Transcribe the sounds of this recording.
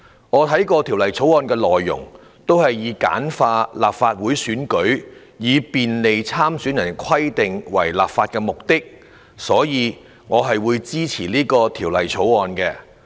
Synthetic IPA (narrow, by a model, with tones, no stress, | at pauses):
ŋɔː˨˧t̪ʰɐ˨˥jkɔː˧t̪ʰiː˨˩wlɐ˨˩jt͡sʰo˨˥wɔː˧nkɛː˧lɔː˨jːʊ̰˨˩ŋ | t̪o˥whɐ˨jːiː˨˧ka̰ː˨˥nfaː˧laː˨p̚faː˧t̚wuː˨˥jsyː˨˥nkɵ˨˥ɥ | jiː˨˧piː˨nle˨jt͡sʰaː˥msyː˨˥njɐ˨˩nkʰɐ˥jt̪ɪ˨ŋwɐ̰˨˩jlaː˨p̚faː˧t̚kɛː˧mʊ˨k̚t̪ɪ˥k̚ | sɔː˨˥jiː˨˧ | ŋɔː˨˧ɦɐ˨jwuː˨˧jt͡siː˥t͡sʰiː˨˩liː˥kɔː˧t̪ʰiː˨˩wlɐ˨˩jt͡sʰo˨˥wɔː˧nkɛː˧